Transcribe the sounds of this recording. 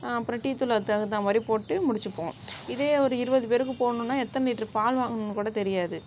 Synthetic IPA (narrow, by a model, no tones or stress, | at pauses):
pːɾɐʈːiːt̪ːɯlɐðtːaːɣɐt̪ːãːmɐɾipoːʈːɯmʊɽɪt͡ʃːɯpːõːɪðeːɔɾɯɪɾɯbɐðɯpeːɾɯk̬ːɯpoːɳʊ̃nːaːɛt̪ːɐnliːʈːrɯpaːlʋaːɣɐnnkuːɽɐt̪ɛɾɪjaːðɯ